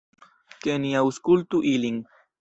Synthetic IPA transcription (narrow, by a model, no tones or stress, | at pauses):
keniawskult̪uʔiliŋ